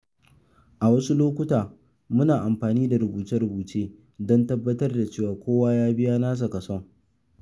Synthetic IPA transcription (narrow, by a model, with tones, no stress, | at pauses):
ʔa˨wɐ˦su˦loː˦kʷʊ˦taː˨ | mʊ˦naː˨ʔa˨mɸaː˨niː˦da˨ɾʊ˨buː˨tɛ˦ɽʊ˨buː˨t͡ʃeː˦ | dɔ˦ntɐ˦bːɐ˦tɐ˦rda˨t͡ʃeː˦˨waː˨kʷoː˦waː˦jaː˦bɪ˦jaː˦naː˦s̬a˨kɐ˨sɔ˦ŋ